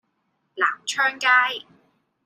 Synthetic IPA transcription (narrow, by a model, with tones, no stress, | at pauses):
la̰ː˨˩mt͡ʃʰœː˥ŋkaː˥j